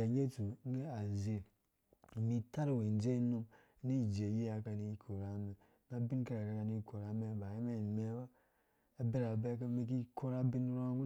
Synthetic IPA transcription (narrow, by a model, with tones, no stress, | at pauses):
a˨ɲe˦tu˨˦e˦a˨ze˨ | mi˦ta˦ɾwe˨n˨d͡ʒe˦nu˦m˦ | ni˦˨d͡ʒe˨ji˦a˨ka˨ni˦kʰo˨ɾa˨˦mi˨ | na˦bi˦n˦ka˦ɾa˨ka˨ka˧ni˦˨ko˨ɾa˨˦me˦˨ba˨je˦me˦˨me˦ba˦ | a˨˦be˦ɾa˨be˦ka˦me˦k̬i˦kʰo˦ɾa˦bi˦n˦ɾa˦ɡu˦